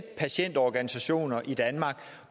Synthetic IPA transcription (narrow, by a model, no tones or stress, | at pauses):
pʰæɕen̰d̥ɒɡ̥ænisæɕo̝̰ːnɐʔid̥ænmɑ̈ːɡ̥